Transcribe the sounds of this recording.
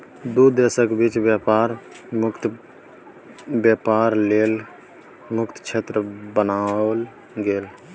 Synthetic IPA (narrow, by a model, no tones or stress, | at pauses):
d̪ud̪esəkbit͡ʃbjapaɾmʊkt̪ | bjapaɾleːl | mʊkt̪t͡ʃʰeːt̪ɾəbənal | ɡeːl